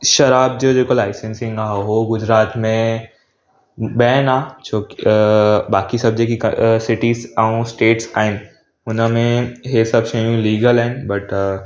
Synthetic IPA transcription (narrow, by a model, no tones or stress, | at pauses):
ʃɐɾaːb̚d͡ʒod͡ʒeːkolaːɪsẽnsɪ̃ŋɡaːɦɦoɡʊd͡ʒɾaːt̪mẽ | bɛːnaːt͡ʃʰoːk | baːkisɐbd͡ʒekiksɪʈiːzãũsʈeːʈsaːen | ʊnmẽɦesɐbʃɐjũliːɡəlɛːnbɐʈ